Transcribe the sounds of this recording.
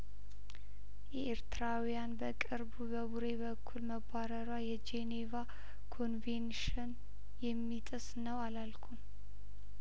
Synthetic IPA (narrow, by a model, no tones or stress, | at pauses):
jɛʔeɾt̪ɨɾawijanbəkʼɨɾbubəβuɾe̞βəkʰːulməbaɾəɾwajɛd͡ʒeneva | kʰo̞nvenʃɨn | jɛmːit̪ʼɨsnəwalalkʰum